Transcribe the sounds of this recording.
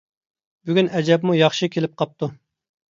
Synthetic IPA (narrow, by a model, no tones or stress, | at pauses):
byɡʲynɛd͡ʒɛbmujɑχʃikʲʰelɪp̚qʰɑp̚t̪ʰu